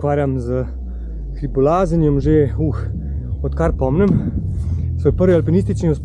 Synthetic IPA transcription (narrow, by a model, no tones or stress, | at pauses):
kaːɾjamzə | xɾipɔlaːzənjɔmʒeux | ɔt̪kaɾpɔmnɛm | sʋoːjpəɾʋialpɛnist̪it͡ʃniɔsp